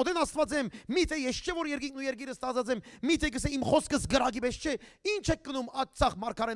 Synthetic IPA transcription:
ɔd̪ɛnɑst̪vɑt͡sɛmmit̪ʰɛjɛst͡ʃʰɛvɔɾjɛɾk̬iŋk̚ʰnujɛɾk̬iɾəst̪ɑt͡sʰɑt͡sɛmːit̪ʰɛkəsɛimχɔskʰəsɡəɾɑɡibɛst͡ʃʰɛint͡ʃʰɛk̚ːənumɑt͡sʰɑχmɑɾkʰɑɾɛ

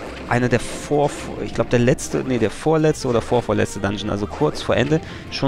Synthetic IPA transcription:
ʔaɪnədeːɐfoːɐf | ɪ̰çɡ̥laʊbəd̥eːɐlɛt͡stə̰nedeːɐfoːɐlɛt͡stəʔoːdɐfoːɐfoːɐlɛ̰t͡stədanʒn̩ʔa̰lzokʰʊɐt͡sfoːɐʔɛndə | ʃoː

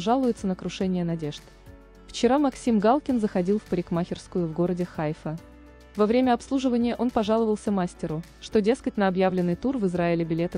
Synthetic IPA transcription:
ʐalˠʊjɪt̪sənəkɾʊʂɛnʲɪjənɐdʲe̞ʐt̪ | ft͡ɕɪɾamɐksʲimɡalˠkʲɪnzəxɐdʲilˠfpəɾʲɪkmaxʲɪrskʊjʊvɡo̞ɾədʲɪxajfə | vɐvɾʲemʲəɐpslˠuʐɨvənʲɪjəʔo̞npɐʐalˠəvəlˠsʲəmasʲtʲɪɾʊ | ʂt̪o̞dʲe̞skətʲnəɐbjavlʲɪnːɨjt̪urvɨzɾaɪlʲɪbʲɪlʲe̞t̪ə

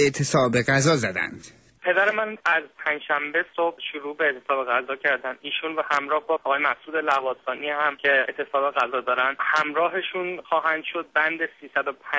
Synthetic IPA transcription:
eʔt̪ʰesɒːbeɣæzɒːzæd̪æ̰nd̪̥ | pʰe̞d̪æɾemænæzpʰænd͡ʒʃæmbe̞so̞b̥ʃuɾuːbeet̪ʰesɒːbeɣæzɒːcʰæɾd̪ænd̪iːʃunvæhæmɾɒːhbɒʔɒɣɒːjemæsʔuːd̪e̞lævɒːsɒːnihæmcʰeet̪ʰe̞sɒːbe̞ɣæzɒːd̪ɒːɾænd̪hæmɾɒːɦeʃunxɒːɦænd̪̥ʃo̞d̪̚bænd̪esiːsæd̪o̞pʰæ

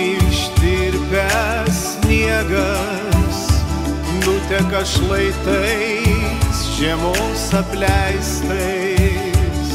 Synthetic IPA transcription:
ɪʃt̪ʲɪɾʲpʲɛ | ssʲnʲiɛɡɐ | s | nʊt̪ʲɛkɐʃlˠɐɪt̪ɐɪsʒʲɛmoːsɐpʲlʲɛɪst̪ɐ | s

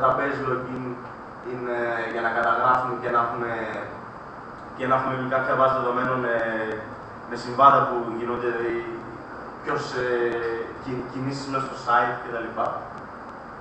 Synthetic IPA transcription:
t̪ɐpe̞zloekin | ineʝɐnɐkɐt̪ɐɣɾɐfumecenɐxume̞ | cenɐxumevikɐpçɐvɐsðe̞ðo̞me̞none | mesiɱvɐnd̪ɐpuʝinond̪ei | pço̞se | cicinisismest̪o̞sɐit̪ce̞t̪ɐlipɐ

